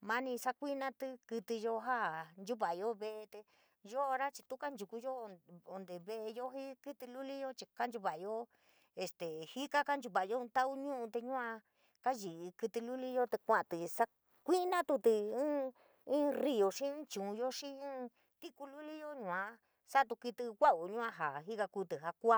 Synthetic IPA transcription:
mã˦nĩ˧sa˦kʷi˦nã˧t̪ɨ˦˧kɨ˧t̪i˧jo˧ɦa˦nd͡ʒu˦βa˨jo˦βe˧ʔe˧t̪e˧ | ʒo˦˧ɾa˦t͡ʃi˧t̪u˦ka˦nd͡ʒu˨ku˧jo˦˧o˧nd̪e˨βe˧e˧jo˦ɦi˦˧kɨ˦t̪i˧lu˦li˦jo˦t͡ʃi˧ka˦nd͡ʒu˧βa˨jo˦ | e˨st̪e˨hi˦ka˦ka˦nd͡ʒu˧βa˨jõ˦˧t̪a˦u˦ɲũ˦ũ˧t̪e˧ɲũ˦ã˧ | ka˦ʒi˨˧kɨ˧t̪i˧lu˦li˦jo˦t̪e˧kʷã˧ʔt̪ɨ˨sa˦ | kʷi˦nã˦t̪u˧t̪i˧ɨ̃ː˦ | ɨ̃˦ri˧jo˨ʂĩ˦t͡ʃũ˨˧jo˦ʂĩ˦ɨ̃ː˦ | t̪i˦ku˧lu˦li˦jo˦ɲũ˧˨ã˧ | sa˦˧t̪̬u˧ki˧t̪ɨ˧kʷa˦u˨ɲũ˦ã˧ɦa˨ɦi˦ka˧ku˧t̪ɨ˨ɦa˧kʷa˦

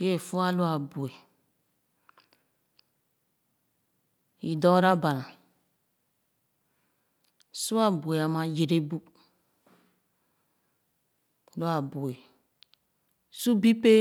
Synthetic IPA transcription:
ɡe˦˨fu˦a˦lu˦a˨bu˨e˨ | i˨dɔ˦ɾa˦ba˨la˨ | su˦a˦˨bu˨e˨a˨ma˨je˨ɾe˦bu˦ | lu˦a˨bu˨e˨ | su˦bi˦pe˦

